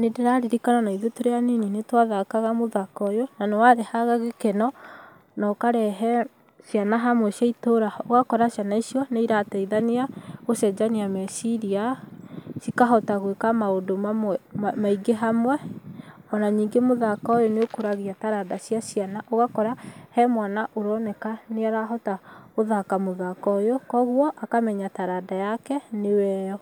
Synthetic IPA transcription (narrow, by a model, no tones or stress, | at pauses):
nedeɾaɾiɾikananaiðotoɾeanininetwaðakaɣamoðakɔjonanewaɾehaɣaɣekɛnɔ | nɔkaɾɛɦɛ | sianaɦamwɛʃjaitoɾaoɣakɔɾaʃjanaisiɔneiɾatɛiðaniaɣosɛd͡ʒaniamɛsiɾia | sikaɦɔtaɣwekamaondomamaiɡeɦamwɛ | ɔnaɲiːŋɡemoðakɔjoneokoɾaɣiataɾadasjaʃianaʔoɣakɔɾahɛmwanaʔoɾɔnɛkaneaɾaɦɔtaoðakamoðakɔjokɔɣwɔʔakamɛɲataɾadajakɛnewɛːɔ